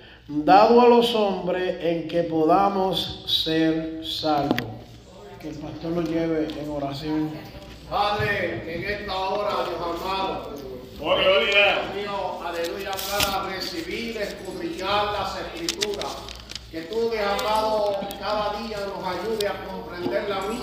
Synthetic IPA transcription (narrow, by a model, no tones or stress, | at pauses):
d̪aðoalo̞sõmbɾeeŋke̞po̞ðamosːeɾsalβo̰ | keːlpast̪o̞ɾnosjeβeʔeŋo̞ɾasjoŋ | paðɾeeŋest̪aoɾaðjosaɾmãðo | oeoɾemioaðeluiɾaklaɾaresiβiðeskuβɾiɲaɾlase̞skɾit̪uɾas | ke̞t̪ukeakaðokaðaðiano̞saʝuðeako̞mpɾẽnd̪eɾlami